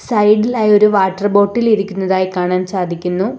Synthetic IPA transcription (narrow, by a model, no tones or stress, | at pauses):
sɐjɖilaːjo̞ɾuʋaːʈːɐrbo̞ːʈːiliɾikʲːunːɐðaːjikaːɳaːnsaːd̪ʱikʲːunːu